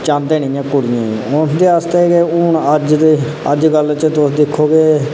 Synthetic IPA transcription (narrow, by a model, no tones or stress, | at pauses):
t͡ʃãːnd̪eːnĩːjãːkʊɽɪjãːĩʊnd̪eːaːst̪ekeʊnəd͡ʒt̪e | əd͡ʒɡəlt͡ʃət̪ʊsd̪ɪkʰːoːɡeː